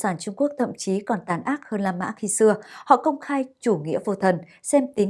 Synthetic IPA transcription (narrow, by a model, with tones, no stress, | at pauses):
saː˧˩nt͡ɕʊ˧ŋ͡mku˦˥ək̚t̪ʰə̰˧˨mt͡ɕi˨˦kɔ˨˩nt̪aː˨˦nʔaː˦˥t̚həː˧nlaː˧ma̰ː˧˥xi˧sɨ˧əhɔ̰˧˨kə˧wŋ͡mxaː˧jt͡ɕu˧˩ŋḭ˧˥əvo˧˩t̪ʰə˨˩n | sɛ˧mt̪ï˨˦